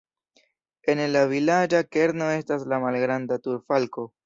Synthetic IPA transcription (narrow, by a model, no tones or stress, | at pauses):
e̞nlavilad͡ʒake̞ɾno̞e̞staslamalɡɾandatuɾfalko̞